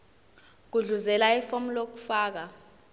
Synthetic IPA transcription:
k̬uɮuzɛlaifomulok̬u̥faːk̬a

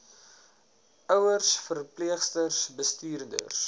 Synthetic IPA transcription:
ʔœwərsfərpliəχstərsbəstiːrdə̰rs

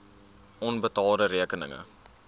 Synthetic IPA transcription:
ʔɔnbətɑːdəɾiəkənə̰ŋə̰

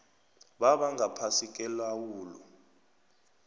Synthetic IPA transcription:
ɓaɓaŋapʰasik̬ʼɛlawuːlɔ̰

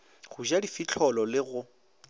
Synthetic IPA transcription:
ɣʊʒadifit͡ɬʰɔlɔlɪɣʊ

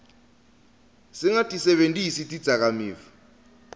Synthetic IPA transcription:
siŋatʼisɛɓentʼisitʼid̥d͡zʱak̬amiːvɔ

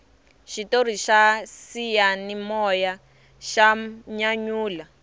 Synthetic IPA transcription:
ʃitor̤iʃasijanimɔja | ʃaɲaɲuːla

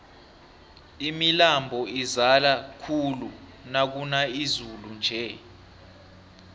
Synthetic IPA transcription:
imilambʱɔizalakʰulu | nak̬unaizulund͡ʒʱɛ

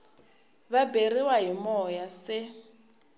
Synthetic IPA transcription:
βaberiwaɦimɔjasɪ

